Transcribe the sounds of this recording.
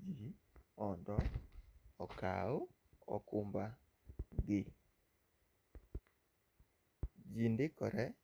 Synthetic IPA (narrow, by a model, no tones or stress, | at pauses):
d͡ʒiɔndɔ | ɔka̰o | ɔ̰kʊmba | ɡɪ | d͡ʒindɪkɔɾɛ